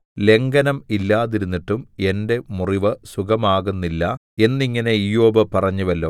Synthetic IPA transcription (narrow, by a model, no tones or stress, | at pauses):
le̞ŋɡɐnɐmilːaːðiɾunːiʈːume̞nde̞muriʋɨsukɐmaːɣunːilːɐ | e̞nːiŋːɐne̞ijo̞ːbɐpɐrɐɲːuʋɐlːoː